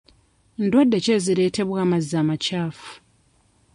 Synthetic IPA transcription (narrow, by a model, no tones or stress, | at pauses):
ndwadːece̞ziɾe̞ːte̞βwaːmazizaːmacaːfu̥